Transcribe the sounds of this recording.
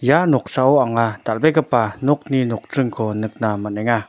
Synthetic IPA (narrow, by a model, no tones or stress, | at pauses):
janɔk̚saɔaŋat̪albɛɡəpanɔk̚ninɔk̚tɾɯŋkʰɔnɯk̚namanɛŋa